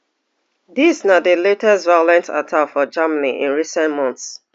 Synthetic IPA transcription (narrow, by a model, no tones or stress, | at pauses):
disnadəletɛstvaɪɔlɛ̃nta̰tʰafɔd͡ʒamaniʔḭ̃nɹisɛ̃ntmɔ̃nθs